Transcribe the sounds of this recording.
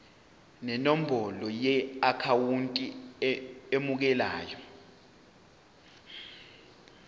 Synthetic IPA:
nɛnom̩bʱɔlɔjɛakʰawuntʼi | emuk̬ɛlaːjɔ

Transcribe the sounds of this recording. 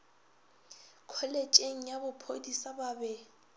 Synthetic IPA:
kʰɔlet͡ʃʼeŋ̩jabʊpʰodisababɛ

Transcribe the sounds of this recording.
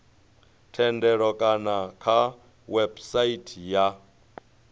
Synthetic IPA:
tʰɛndɛɺɔkʼanakʰa | wɛbsaitʰija

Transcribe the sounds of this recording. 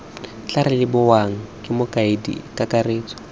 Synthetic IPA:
t͡ɬaɾɪlɪbʊwaŋ̩kʼɪmʊkʼaɪdḭkʼakʼareːt͡sʼɔ̥

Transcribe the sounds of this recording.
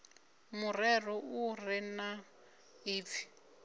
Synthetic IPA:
mʊrɛrɔurina | iːti̥

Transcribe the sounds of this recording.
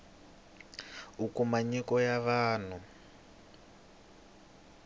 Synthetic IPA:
ukumaɲikɔjaβaːn̤u

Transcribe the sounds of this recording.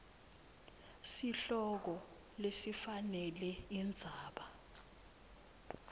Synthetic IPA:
siɬɔk̬ɔ | lesifanɛlɛind͡zʱaːɓa

